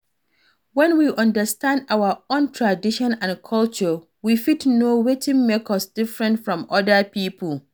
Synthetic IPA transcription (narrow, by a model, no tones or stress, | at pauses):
wɛ̃nwiʔɔ̃ndəstʰãndawəõntʰɹadiʃɔ̃nãnkʰɔlt͡ʃə | wifitnowetʰɪ̃ŋmekʰʌsd̥ɪfɹɛ̃ntfɹɔ̃mɔdəpʰiːpʰəl